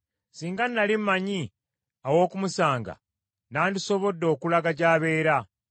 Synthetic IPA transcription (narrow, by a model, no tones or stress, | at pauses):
siːŋɡanːalimmaɲi | awo̞ːkumusaːŋɡa̰ | naːndiso̞βo̞dːo̞ːkulaɡaɟaːβe̞ːɾa